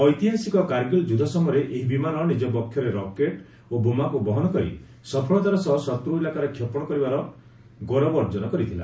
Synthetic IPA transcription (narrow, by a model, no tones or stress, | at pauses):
ɔjt̪iɦasikɔkaɾɡild͡ʒud̪ʱasɔmɔɾeʔeɦibimanɔnid͡ʒɔpɔkʰjɔɾeɾɔkeʈ | obumakubɔɦɔnɔkɔɾḭ | sɔpʰɔɭɔt̪aɾɔsɔɦsɔt̪ɾoilakaɾekʰjɔpɔɽ̃ɔkɔɾibaɾɔ | ɡɔɾɔbɔɾd͡ʒɔnɔkɔɾit̪ʰila̰